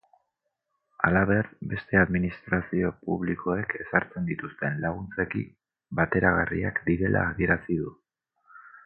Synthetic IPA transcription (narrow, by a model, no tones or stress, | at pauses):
alaβ̞e̞rbe̞st̪e̞aðminist̪ɾasio̞puβ̞likʰo̞e̞ke̞saɾt͡se̞nd̪it̪ust̪e̞nlaɣ̞unt͡se̞kḭ | bat̪e̞ɾaɣarḭakd̪iɾe̞lʔa̰ːðie̞ɾasiðu